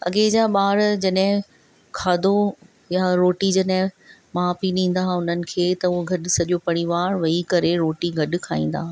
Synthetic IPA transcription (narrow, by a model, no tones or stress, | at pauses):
ɐ̰ɡed͡ʑaːɓaːɾd͡ʑɐɗɦɪ̃ | kʰaːd̪ʱo | jaɾoːʈid͡ʑɐɗɦɪ̃mãːpiɗĩːn̆d̪ãːʊn̤ənɪ̆kʰeːt̪ɐʊɦoɡʱɐɗ̆sɐɗjopɐɽ̃iʋaːɾʋɐikɐɾeɾoːʈiɡʱɐɗʊ̆kʰaːĩːn̆d̪ã̰ː